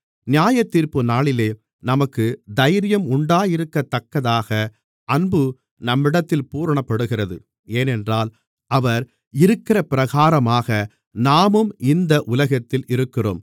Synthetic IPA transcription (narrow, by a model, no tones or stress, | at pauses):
nɪjaːjɐt̪ːiːɾpɯnaːɭɪleː | nɐmɐkːɯd̪ɐjɾɪjɐmʊɳɖaːjɪɾɯkːɐt̪ːɐkːɐðaːɣɐ | ʔɐnbɯ | nɐmːɪɽɐt̪ːɪlpuːɾɐɳɐpːɐɽɯɣɪrɐðɯ | eːnɛndraːl | ʔɐʋɐɾ | ɪɾɯkːɪrɐpɪɾɐɣaːɾɐmaːɣɐ | naːmɯmɪnd̪ɐʔʊlɐɣɐt̪ːɪlʔɪɾɯkːɪro̰ːm